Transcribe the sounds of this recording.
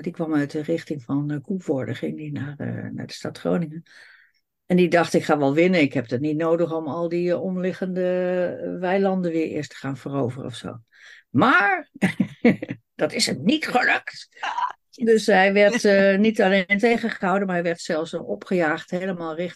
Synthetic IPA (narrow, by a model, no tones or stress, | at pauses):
dikʋɑmœɥtərɪχtɪŋfɑnkʰuvɔɹdə̰χɪŋdinar̰na̰ɹdəstatχro̰wnɪŋən | ɛndidɑχtɪkχaːʋɛlˠʋɪnənɪkɦɛp̚dətnitnoːdəχɔmɑlˠdiɔmlɪχəndəʋɛjlɑndənʋɪəɹɪ̰ːɹstə̥χaːnvərowvərə̰ɔ̰fso̰ː | maːɹ | d̥ɑtɪsənitχəlɵkt | døsɦɛjʋɛɹtnitalentejχəχəɦawdənmaɹɦɛjʋɛɹtsɛlˠfsɔpχəjaːχtɦejləmaːlˠrɪx